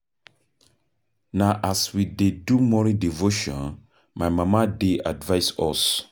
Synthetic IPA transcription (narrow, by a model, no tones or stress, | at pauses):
naʔaswidedumɔɾĩdivoʃɔ̰̃n | majmãmadeadvajsɔs